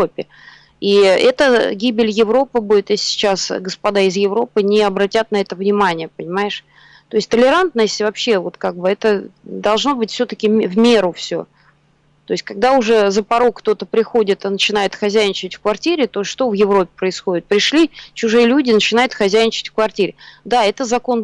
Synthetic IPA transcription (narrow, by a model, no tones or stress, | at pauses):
opʲːɪ | iɛt̪əɡʲibʲɪlʲjɪvɾo̞pɨbudʲɪt̪jesʲsʲɪ̥t͡ɕasɡəspɐd̪aɪzjɪvɾo̞pɨnʲɪɐbɾɐtʲat̪̚nɐɛt̪əvnʲɪmanʲɪjəpənʲɪmajɪʂ | t̪o̞ɪstʲt̪əlʲɪɾant̪nəsʲtʲvɐpɕːevo̞t̪kaɡ̚bɨɛt̪əd̪ɐlˠʐno̞bɨtʲfsʲɵt̪əkʲɪvmʲeɾʊfsʲo̰ | t̪o̞ɪsʲtʲkɐɡ̚d̪aʊʐɛzəpɐɾo̞kt̪o̞t̪əpɾʲɪxo̞dʲɪt̪ɨnət͡ɕɪn̪ajɪt̪xɐzʲæjnʲɪt͡ɕtʲfkvɐrtʲiɾʲɪt̪o̞ʂt̪o̞vjɪvɾo̞pʲɪ̥pɾəɪsxo̞dʲɪt̪̚pɾʲɪʂlʲit͡ɕʊʐɨjəlʲudʲɪnət͡ɕɪnajʊt̪xɐzʲæjnʲɪt͡ɕɪ̥tʲfkvɐrtʲiɾʲɪd̪aɛt̪əzɐko̞n